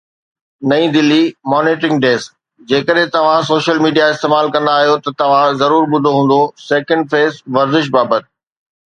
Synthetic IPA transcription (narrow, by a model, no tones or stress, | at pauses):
nɐĩd̪ɪlːimɔːneːʈɾɪ̃ŋɡɖeːs | d͡ʑeːkəɗɦɪ̃t̪ɐʋ̤ãs̬oːʃəlmiːɖijaɪst̪eːmaːlkɐ̃nd̪aːɦijot̪ɐt̪ɐʋ̤ãzɐɾuːɾɓʊd̪ʱoɦũːn̆d̪oseːkə̃ɳɖfeːzʋɐɾzɪʃ̬baːbət̪̚ɪ̥